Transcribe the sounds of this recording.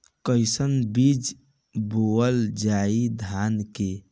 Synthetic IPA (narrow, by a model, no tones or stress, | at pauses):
kəjsənbid͡ʒ | boəld͡ʒaid̪ʱanke